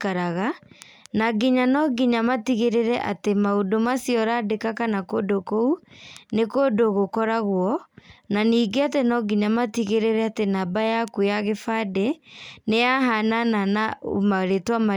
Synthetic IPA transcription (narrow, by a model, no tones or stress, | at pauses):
kaɾaɣa | naɡiɲanɔɡiɲamatiɣeɾeɾɛʔatemaodomasiɔɾadekakanakodokounekodoɣokɔɾaɣwɔnaniːɡeatenɔɡiɲamatiɣeɾeɾɛatenabajakujaɣefadenejaɦanananaomaɾetwama